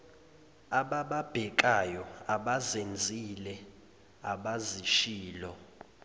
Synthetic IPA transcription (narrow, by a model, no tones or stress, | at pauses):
aɓaɓab̥ʱɛk̬ʼajɔaɓazend͡zʱilɛ | aɓaziʃiːlɔ